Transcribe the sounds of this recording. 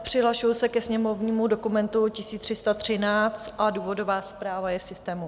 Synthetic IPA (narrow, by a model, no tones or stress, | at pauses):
pr̝̥ɪɦlaʃujusɛkɛsɲɛmo̞vɲiːmudo̞kumɛnt̪ucɪsiːt̪r̥ɪst̪at̪r̝̥ɪnaːt͡st̪ʔaduːvo̞do̞vaːspɾaːvajɛfsɪst̪ɛːmu